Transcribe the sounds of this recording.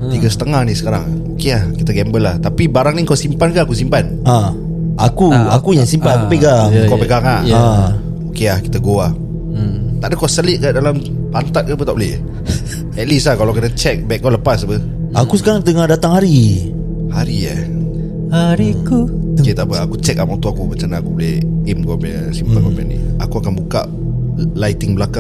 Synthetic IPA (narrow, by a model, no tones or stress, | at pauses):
t̪iɡasə̥t̪əŋahnisə̥kaɾa̰ŋokeahkit̪aɡɛmbəlaht̪apibaɾaŋniŋkasimpankaakus̬impan | ã | akuakujaŋsimpanaupeɡakɔpeɡaŋaa | okeahki̥t̪aɡoah | t̪aʔdəkɔʔsəlɪʔ̚kaʔdalam | pant̪at̪̚kapət̪aʔbolɛ̰h | ɛt̪̚lislahkalawkənat͡ʃɛk̚bɛk̚ɔnləpasapə | akusə̥kaɾaŋt̪əŋadat̪aŋhaɾi | haɾia̰ | haɾikuket̪aʔpəakut͡ʃɛk̚amɔt̪uakumət͡ʃanaakubolɛhimkɔme | simpakɔma̰nḭakuakanbuka̰ʔ | lajt̪ɪŋbəlaka